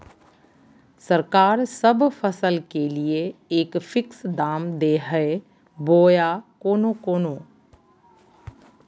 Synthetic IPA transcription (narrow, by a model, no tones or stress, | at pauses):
səɾkaːɾsəbpʰəsəlkelieeːkfʰɪksd̪aːmd̪eːɦəe | boːjakoːnokoːnõː